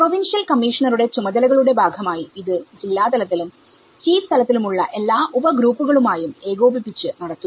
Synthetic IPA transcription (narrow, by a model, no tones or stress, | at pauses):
proʋinʂjɐlkɐmːiːʂɐɳɐɾuɽe̞t͡ɕumɐd̪ɐlɐɣɐɭuɽe̞bʱaːɡʱɐmaːjiiðɨd͡ʑilːaːt̪ɐlɐt̪ːilum | t͡ɕiːfst̪ʰɐlɐt̪ːilumuɭːɐʔe̞lːaːʔubɐɡɾuːpːuɣɐɭumaːjume̞ːɣoːbipːit͡ɕːɨnɐɽɐt̪ːu